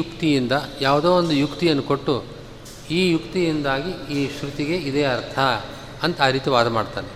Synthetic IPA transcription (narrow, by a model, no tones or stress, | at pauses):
jukt̪ijind̪ɐjaːʋd̪oːond̪ujukt̪ijɐnːuko̞ʈːu | iːjukt̪ijind̪aːɡiiːʃɾut̪iɡe̞id̪eːɐɾt̪ʰɐː | nt̪ɐaːɾiːt̪iʋaːd̪ɐmaːɖt̪a̰ːne